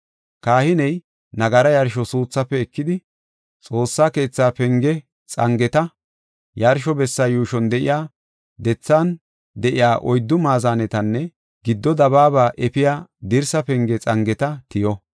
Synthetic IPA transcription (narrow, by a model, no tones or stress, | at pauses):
kaːhɪnɛj | nɐɡɐɾɐjɐɾʃɔsuːt͡sːɐpːɛːkːɪd̪ɪ | t͡sʼo̞ːsːaːke̞ːt͡sːaːpɛŋɡɛ | t͡sʼɐŋɡɛt̪ɐ | jɐɾʃɔbɛsːɐjuːʃɔnd̪ɛʔɪ̰jaː | d̪ɛt͡sːaːn | d̪ɛʔɪjaːʔɔjd̪ːʊmaːzaːnɛt̪ɐnːɛ | ɡɪd̪ːɔd̪ɐβaːbaːʔɛpɪjaːd̪ɪɾsɐpɛŋɡɛt͡sʼɐŋɡɛt̪ɐt̪ɪjɔ